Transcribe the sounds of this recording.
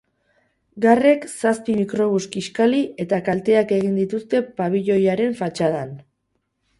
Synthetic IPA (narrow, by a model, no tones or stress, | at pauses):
ɡare̞ksaspimikɾo̞βuskiskalie̞t̪akalt̪e̞ake̞ɣ̞ind̪it̪ust̪e̞paβiʎo̞jaɾe̞ɱfat͡ʃað̞an